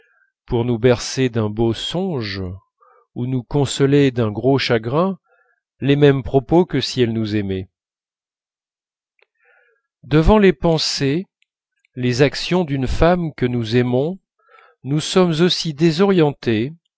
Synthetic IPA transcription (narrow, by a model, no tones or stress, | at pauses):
puʁnubɛʁsed̪ɛ̃bosɔ̃ʒ | unukɔ̃sɔled̪ɛ̃ɡʁoʃaɡʁɛ̃ | lemɛmpχɔpokəsiɛlnuzɛmɛ | d̪əvɑ̃lepɑ̃se | lezaksjɔ̃d̪ynfamkənuzɛmɔ̃ | nusɔmzosid̪ezɔʁjɑ̃t̪e